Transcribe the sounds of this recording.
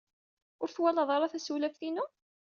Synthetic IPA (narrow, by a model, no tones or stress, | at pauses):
ʊɾθwælɑðˤɑɾˤɑθæsuwlæfθinu